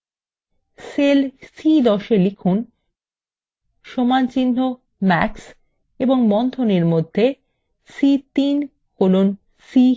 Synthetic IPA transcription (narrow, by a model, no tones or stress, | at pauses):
selsid̪ɔʃelikʰun | ʃomant͡ɕinːo | mɛks | eboŋmɔnd̪ʱoneɾmod̪ʱːe | sit̪in | kolon | si